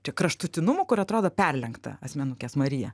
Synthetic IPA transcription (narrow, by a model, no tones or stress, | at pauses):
t͡ʃʲɛkɾɐʃt̪ʊt̪ʲɪnʊmʊːkʊɾɐt̪ɾoːd̪oːpʲɛrʲlʲɛŋkt̪ɐ̰ɐsʲmʲɛnʊkʲɛsmɐɾʲɪjɛ̰